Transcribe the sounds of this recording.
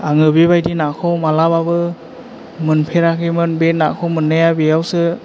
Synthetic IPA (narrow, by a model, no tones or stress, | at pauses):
aŋɯbibajdinakʰɔwmalababɯ | mɯnpʰeɾakʰemɯnbet̚na̰kʰɔwmɯnːɯjabijawsɯ